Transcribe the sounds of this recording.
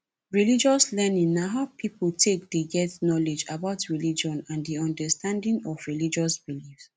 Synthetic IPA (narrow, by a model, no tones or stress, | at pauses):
ɹilid͡ʒɔslɛnĩnːaɦaʊpʰipltʰek̚deɡɛtnɔled͡ʒabaʊtɹilid͡ʒɔ̃nãndiɔ̃ndəstʰãndĩŋɔvɹilid͡ʒɔsbilifs